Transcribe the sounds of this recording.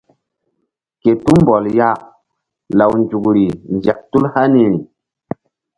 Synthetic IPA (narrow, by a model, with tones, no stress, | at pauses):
ke˨tu˦mbɔ˨lja˦ | la˨wnd͡ʒu˨kɾi˨nd͡ʒa˨k̚tu˦lha˦ni˦ɾi˨